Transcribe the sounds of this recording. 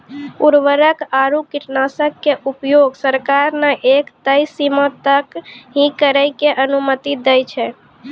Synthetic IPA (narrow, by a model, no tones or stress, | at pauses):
uɾʋəɾəkaɾukiʈnasəkːeʔupjoɡsəɾkaɾnaʔekt̪əjsimət̪əkɦĩkəɾəjkeʔənumət̪id̪əjt͡ʃʰɛ